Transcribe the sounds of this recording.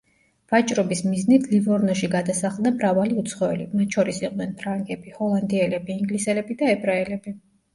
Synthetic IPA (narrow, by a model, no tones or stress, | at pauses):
v̥at͡ʃʼɾɔbismiznit̪ʰlivɔɾnɔʃiɡad̪asaχlˠd̪amɾavaliut̪sʰχɔɛlḭmat̪ʰʃʰɔɾisiqʼd̪ɛnpʰɾaŋɡɛbihɔlˠand̪iɛlɛbiːŋɡlisɛlɛbid̪aɛbɾaɛlɛbi